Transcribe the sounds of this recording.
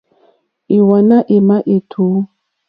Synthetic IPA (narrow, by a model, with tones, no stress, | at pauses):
i˨wa˨na˦ʔe˨ma˦ʔe˨tʰo˨˦